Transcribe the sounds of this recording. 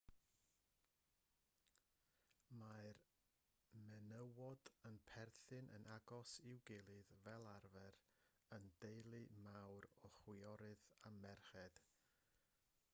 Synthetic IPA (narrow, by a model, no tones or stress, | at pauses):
maɨr | mɛnəwɔdənpʰɛrθɨnʔə̰nʔaɡɔsɪwɡɪlˠɨðvɛlˠarvɛɾ | əndejlˠɨmawɾɔχwɪɔɾɨðamɛrχɛd̥